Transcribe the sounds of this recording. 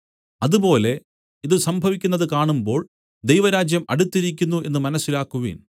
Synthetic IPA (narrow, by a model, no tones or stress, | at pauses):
ɐðupo̞ːle̞ | iðɨsɐmbʱɐʋikʲːunːɐðɨkaːɳumbo̞ːɭ | d̪ejʋɐɾaːd͡ʑjɐmɐɽut̪ːiɾikʲːunːue̞̰nːɨmɐnɐsːilaːkːuʋḭːn